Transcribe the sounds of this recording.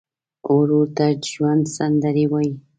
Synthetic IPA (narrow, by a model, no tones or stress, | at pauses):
oɾot̪aʒwand̪sand̪aɾiwaj